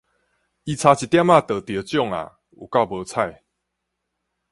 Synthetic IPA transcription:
i˨˦t͡sʰa˧t͡ɕʰi˨t̪ja˦ma˥˧t̪ə˨˩t̪ə˧˦t͡ɕjɔ˥˨ŋa̰˨ | wʔo̰˨˩ka˥˨bə˨˧t͡sʰa˥˧˨j

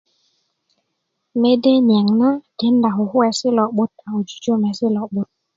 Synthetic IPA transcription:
me˦de˦nja˨ŋna˦ke˨˦n̩˦da˨ɦʊ˨ɦʊ˦ɛ˨sɪ˦lɔ˨ɓo˦t̚a˨o˨d͡ʒu̥˨d͡ʒo˦˨mɛ˨sɪ˦lɔ˨ɓo˦t̚

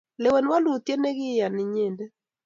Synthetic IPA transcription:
lɛ˨wɛ˨nwa˦lu˨t̪je˦ne˦ɡɪ˦ja˨nɪ˨ɲe˨nde˦

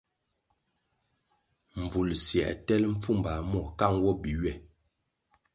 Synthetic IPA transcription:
ɱ˨b͡vu˨lsjɛ̰˨ʔtɛ˦lm̩˦p͡fu˦˨mba˨mɔ˦˨ka˦˨ŋwɔ˦bi˨ɥɛ˦˨

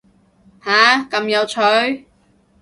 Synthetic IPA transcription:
haː˨˧kɐ˨˧mjɐ˨˧wt͡ʃʰɵ˨˥ɥ

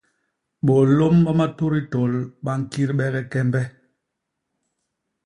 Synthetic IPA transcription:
ɓɔ˨lo˦mɓa˦ma˦to˦ɾi˦to˨lɓa˦ŋ̩˨ki˦ɾɓɛ˦ɣɛ˦kɛ˦mbɛ˦

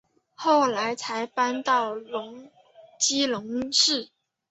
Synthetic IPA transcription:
xo˥˩ʊla˧˥ɪt͡sʰa˧˥ɪpa˥nt̪ɑ˥˩ʊlʊ˧˥ŋ | t͡ɕi˥lʊ˧˥ŋʂɻ̩˥˩

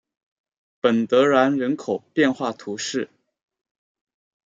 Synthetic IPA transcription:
pə˨˩nt̪ɤ˧˥ɻa˧˥nɻə˧˥nkʰo˨˩ʊpjɛ˥˧nxwa˥˩t̪ʰu˧˥ʂɻ̩˥˩

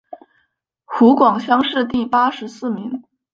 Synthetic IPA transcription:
xu˧˥kwɑ˨˩ŋɕjɑ˥ŋʂɻ̩˥˧t̪i˥˩pa˥ʂɻ̩˧˥sɹ̩˥˩mi˧˥ŋ

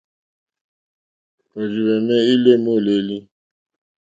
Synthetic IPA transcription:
o˨d͡ʒi˨wɛ˨nɛ˦i˦le˦˨mo˦˨le˨li˦

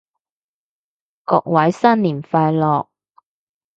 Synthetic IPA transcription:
kɔː˧k̚wɐ˨˥jsɐ˥nliː˨˩nfaː˧jlɔː˨k̚

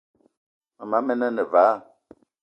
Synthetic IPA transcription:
a˨ma˨˦mɛ˦nə˦nə˨va˨˦˨

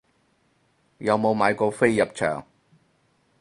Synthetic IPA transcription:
jɐ˨˧wmo˨˧wmaː˨˧jkɔː˧fe˥jːɐ˨p̚t͡ʃʰœ̰ː˨˩ŋ

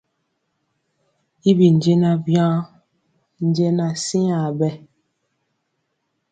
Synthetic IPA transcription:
i˦bi˨n˨d͡ʒe˦na˦vjãː˦ | n̩˦d͡ʒe˦na˨si˦a˨bɛ˦˨

